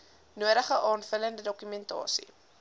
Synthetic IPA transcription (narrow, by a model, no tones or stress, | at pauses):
nuəɾəχəʔɑːnfələndədɔkymɛntɑ̰ːsḭ